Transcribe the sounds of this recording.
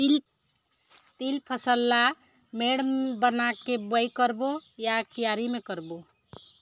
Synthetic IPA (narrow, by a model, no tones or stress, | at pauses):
t̪ilpʰəsəlːa | meɽmbənakebəjkəɾbojakijaɾimekəɾbo